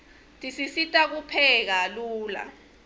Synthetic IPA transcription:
tʼisisitʼak̬upʰɛk̬aluːla̰

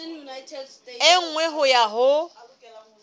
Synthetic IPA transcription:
ɪŋ̩ŋwɛɦʊjaɦʊ

